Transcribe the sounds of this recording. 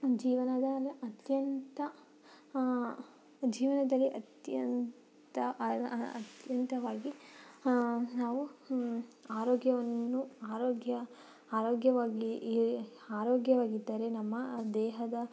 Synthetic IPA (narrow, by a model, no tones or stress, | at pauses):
d͡ʒiːʋɐnɐd̪ɐɐt̪jɐnt̪ɐ | d͡ʒiːʋɐnɐd̪ɐlːiʔɐt̪jɐn | t̪ɐɐ̰t̪jɐnt̪ɐʋaːɡi | naːʋu | aːɾoːɡjɐʋɐnːuaːɾoːɡjɐ | aːɾoːɡjɐʋaːɡi | aːɾoːɡjɐʋaːɡid̪ːaːɾe̞nɐmːɐd̪ɛːɦɐd̪ɐ